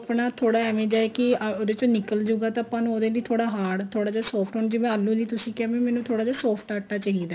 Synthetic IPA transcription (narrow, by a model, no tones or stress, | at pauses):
pɳaːt̪ʰoːɽaːɛːmẽːd͡ʒaːekɪoːd̪eːt͡ʃoːnɪkəld͡ʒoːɡaːt̪ãəpãːnũoːd̪eːliːt̪ʰoːɽaːɦaːɽt̪ʰoːɽaːd͡ʒaːsɔːpʰʈɦoːɳd͡ʒɪʋẽːəlːũːliːt̪ʊsĩːkɛːʋẽmɛːnũːt̪ʰoːɽaːd͡ʒaːsɔːpʰʈaːʈːaːt͡ʃaɦiːd̪aː